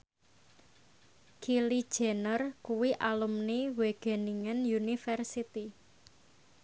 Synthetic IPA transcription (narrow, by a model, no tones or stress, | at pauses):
kilid̥ʒ̥ɛ̤nərkuwiʔalumniweɡ̥e̤niŋənjunifɛrsit̪i